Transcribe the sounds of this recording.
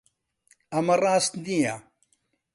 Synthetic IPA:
ɐmɐrˤaːst̪d̪ija

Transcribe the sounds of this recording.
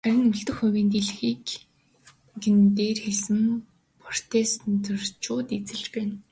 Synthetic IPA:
æɾʲɪ̆ŋɵɮɬt̪ɵ̆xʊwʲiːnt̪eɮxiːk | ɡɘ̆nt̪eːrxeɮsɘ̆m | pʰr̥t̪ʰeːst̪nt̪ʰɵr̥t͡ɕʊːt̪et͡sɘ̆ɮt͡ɕpæːn

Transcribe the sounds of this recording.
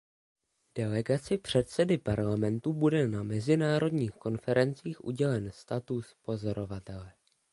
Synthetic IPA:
d̥ɛlɛɡat͡sɪpr̝̥ɛt̪sɛdɪpaɾlamɛnt̪ubudɛnamɛzɪnaːɾo̞dɲiːxko̞nfɛɾɛnt͡siːxʔṵɟɛlɛnst̪at̪uspo̞zo̞ɾo̞vat̪ɛlɛ

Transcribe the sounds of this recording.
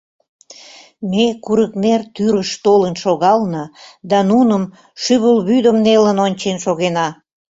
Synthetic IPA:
mekuɾəknert̪yɾəʃt̪olənʃoɣɑlnəd̪ɑnunəm | ʃyβəlβyd̪əmnelənonʲt͡ɕenʃoɣenɑ

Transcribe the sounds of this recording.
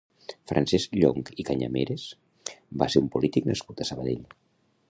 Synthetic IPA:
fɾʔansɛzʎoŋkikaɲa̰meɾes | ba̰seɾumpulit̪iknəskut̪əsəβ̞əðeʎ

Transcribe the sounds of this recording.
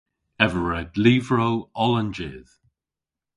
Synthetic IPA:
ɛvəɹɛdliːvɹowɔlənd͡ʒḛːð̥

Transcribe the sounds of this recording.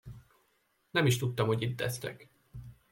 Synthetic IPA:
nɛmiʃt̪ut̪ːɒmho̞ɟit̪d̪ɛst̪ɛ̰k

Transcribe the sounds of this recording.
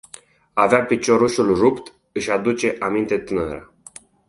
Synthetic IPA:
aveapit͡ʃo̞ɾuʃulrupt̪ | ɨʃad̪ut͡ʃe̞ʔamint̪e̞t̪ɨnəɾa

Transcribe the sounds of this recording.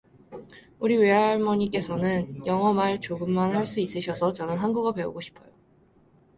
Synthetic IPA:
uɾiweaɭmʌɲik͈e̞sʰʌnɯnjʌŋʌmaɭt͡ɕoɡɯmːanɦaɭs͈uis͈ɯɕʰʌsʰʌt͡ɕʌnɯnɦanɡuɡape̞ṵɡoɕʰi̥pʰʌjo

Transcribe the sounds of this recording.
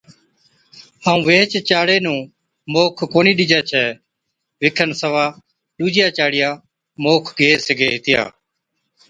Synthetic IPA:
aːũːʋeːt͡ʃt͡ʃaːɽeːnũː | moːkʰkoːniːɗɪd͡ʒaːt͡ʃʰɛː | ʋɪkʰənsəʋaː | ɗuːd͡ʒɪjaːt͡ʃaːɽɪjaː | moːkʰɡʱeːsəɡeːɦɪt̪ɪja̰ː

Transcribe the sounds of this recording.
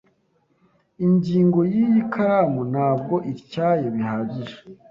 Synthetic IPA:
iɲɟiːŋɡo̞jijikʰamun̥aːb̚ɡo̞ʔiɾcaːjeβihaɟiɾe

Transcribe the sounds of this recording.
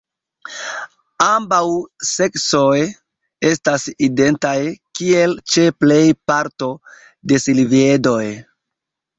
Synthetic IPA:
ambawse̞kso̞j | e̞staside̞ntajkie̞lt͡ʃe̞ple̞jpaɾto̞ | de̞silvie̞do̞j

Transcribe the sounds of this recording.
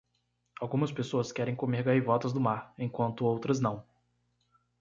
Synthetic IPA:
awɡũmɐspesoɐskɛɾẽj̃komeɾɡaivɔt̪ɐzd̪ʊmaɾẽj̃kwɐ̃nt̪ʊowt̪ɾɐznɐ̃w̃

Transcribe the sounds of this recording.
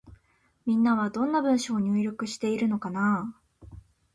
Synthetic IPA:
mʲĩnːaβ̞ad̪õ̞nːabɯ̟̃ɰ̃ɕoːɲ̟ɨːɾʲo̞kɯ̟ɕi̥t̪e̞iɾɯ̟no̞kana

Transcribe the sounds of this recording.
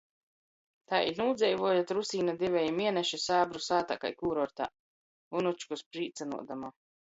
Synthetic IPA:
t̪a̰ːʔḭɾnuːd̪zʲɛjvuɔjat̪ɾusiːnad̪evʲɛjimiɛnɛʃisaːbɾusaːt̪a̰ka̰jkuːɾɔɾt̪a̰ː | vunut͡ʃkuspɾiːt̪sanṵɔd̪amaː

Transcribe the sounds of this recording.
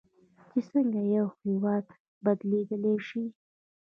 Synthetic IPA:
t͡ʃesəŋɡajawhiwɑd̪ | bad̪led̪əleʃi

